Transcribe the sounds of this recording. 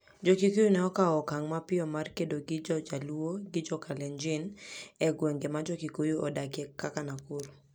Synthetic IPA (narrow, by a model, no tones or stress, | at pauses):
d͡ʒɔkikujunɛɔkaɔkaŋmapɪɔmarkedoɡɪd͡ʒɔd͡ʒaluoɡɪd͡ʒɔkalɛnd͡ʒɪnɛɡweŋɡemad͡ʒɔkikojuɔdakɛkːakanakoɾo